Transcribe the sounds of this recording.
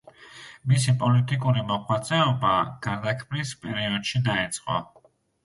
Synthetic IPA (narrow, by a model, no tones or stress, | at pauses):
misipʼɔlit̪ʼikʼuɾimɔχwat̪sʼɛɔbaɡ̥aɾd̪akʰmlispʼɛɾiɔd̪̥ʃid̪aɛt̪sʼqʼɔ̰